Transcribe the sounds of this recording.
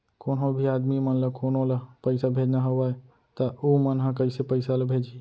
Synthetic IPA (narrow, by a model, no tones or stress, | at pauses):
konɦobʱiaːd̪mimənləkʰoːnolapəɪsabʱed͡ʒnaɦəaj | t̪əumənɦãkəɪsepəɪsaləbʱed͡ʒi